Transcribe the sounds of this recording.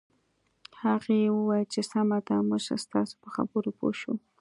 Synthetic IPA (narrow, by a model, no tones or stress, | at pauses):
haɣewəwajlt͡ʃesamad̪amʊʒa̰st̪ɑso̥pəxa̰bəɾopo̰ʃu